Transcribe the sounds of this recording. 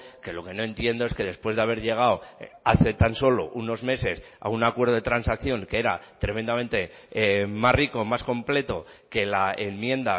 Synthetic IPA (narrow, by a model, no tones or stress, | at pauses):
ke̞lo̞ke̞noẽ̞nt̪je̞nd̪o̞eske̞ðe̞spwe̞zðeaβ̞e̞ɾʎe̞ɣ̞awaθe̞t̪anso̞lo̞̰ʔuno̞zme̞se̞s | a̰unakweɾð̞o̞ð̞e̞t̪ɾansakθjo̞ŋkeeɾa̰t̪ɾe̞mend̪ame̞nt̪e̞ | mazriko̞masko̞mple̞t̪o̞ke̞laemmje̞nd̪a